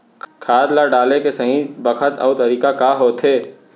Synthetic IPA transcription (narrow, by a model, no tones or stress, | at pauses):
kʰaːd̪laɖaːlekesɐ̃ɦĩbɐkʰət̪ɐ̰ːt̪ɐɾiːkakaːɦoːt̪ʰɦeː